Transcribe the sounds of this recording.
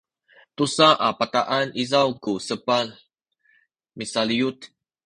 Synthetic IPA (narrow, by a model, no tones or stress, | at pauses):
t̪usaʔapat̪aʔanizawkusəpal | misaliut̪